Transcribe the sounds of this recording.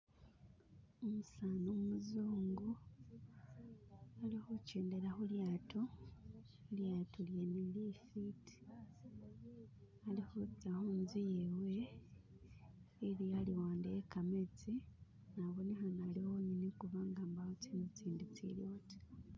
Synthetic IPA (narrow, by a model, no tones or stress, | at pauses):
omusaːnomuzuːŋɡu | alixoceːndeɾaxuljaːto | eljaːtuljenelifiti̥ | alihot͡sahonzijewe | ɾialiwaːndeekamet͡si | naβonexanalihoɲinikuβaːŋɡaːmbahot͡siːndit͡siːndit͡sḭljoti̥